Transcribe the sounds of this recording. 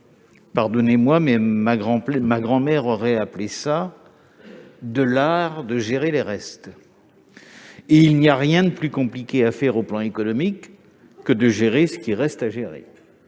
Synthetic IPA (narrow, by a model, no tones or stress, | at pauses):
paʁd̪ɔnemwamɛmaɡʁɑ̃pmaɡʁɑ̃mɛʁɔʁɛaplesa | d̪əlaʁd̪əʒeʁeleʁɛst̪ | eilniaʁjɛ̃d̪əplykɔ̃plikʲeafɛʁoplɑ̃ekɔnɔmikː | əd̪əʒeʁesə̥kʲiʁɛst̪aʒeʁḛ